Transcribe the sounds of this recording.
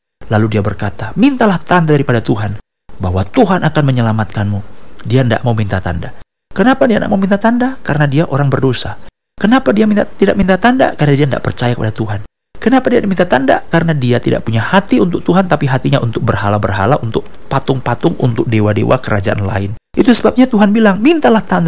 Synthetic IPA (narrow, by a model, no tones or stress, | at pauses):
laludiabərkat̪amint̪alaht̪andadaɾipadat̪uɦan | baɦwat̪uɦanʔakanməɲəlamat̪̚kanmudianda̰ʔmawmint̪at̪a̰nda | kənapadianda̰ʔmawmint̪at̪andakaɾənadiaʔoɾaŋbərdosa | kənapadiamint̪idaʔmint̪at̪anda̰karənadianda̰ʔpərt͡ʃajakəpadat̪uɦan | kənapadiadimint̪at̪anda̰kaɾənadiat̪ida̰ʔpuɲahat̪iunt̪ʊk̚t̪uɦant̪apiɦat̪iɲaʔunt̪ʊk̚bərɦalabərɦa̰laʔunt̪ʊk̚ | pat̪ʊŋpat̪ʊŋṵnt̪ʊk̚dewadḛwʔa̰kəɾʔad͡ʒaʔa̰nla̰ɪn | ʔit̪usəbap̚ɲat̪uɦanbilaŋmint̪alaht̪and